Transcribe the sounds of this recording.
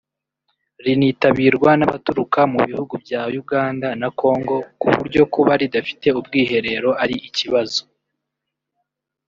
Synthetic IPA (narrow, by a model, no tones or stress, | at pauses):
ɾiniːtaβiːɾɡwanaβatuɾukamuβihuɡubɟaːjuɡaːndanakʰo̞ːŋɡo̞kṵβṵɾɟo̞kuβaɾidafi̥te̞ub̚ɡiːɦe̞ɾe̞ɾo̞aɾiʔiciβazo